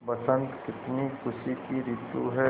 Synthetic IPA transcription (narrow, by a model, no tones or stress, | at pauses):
bɐsə̃nt̪kɪt̪nikʰʊʃikiɾɪt̪ṵɦɛ